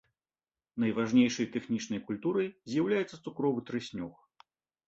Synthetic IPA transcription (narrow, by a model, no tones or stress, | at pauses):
nɐjvaʐnʲejʂɐjt̪ɛxnʲit͡ʂnɐjkulʲt̪uɾɐjzʲjawlʲajɛt̪sːɐt̪sukɾɔvɨt̪ɾɨsʲnʲɔx